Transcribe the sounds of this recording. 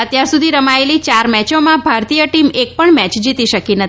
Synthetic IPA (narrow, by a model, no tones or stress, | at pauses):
ət̪jaɾsud̪ʱiɾəmaelit͡ʃaɾmɛt͡ʃomãbʱaɾt̪ijəʈimek̚pəɳmɛt͡ʃd͡ʒit̪iʃəkinət̪